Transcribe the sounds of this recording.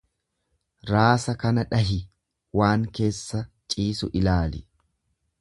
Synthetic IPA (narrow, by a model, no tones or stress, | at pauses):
ɾaːsɐkɐnɐᶑɐɦɪ | waːŋke̞ːsːɐt͡ʃʼiːsʊʔɪlaːlɪ̰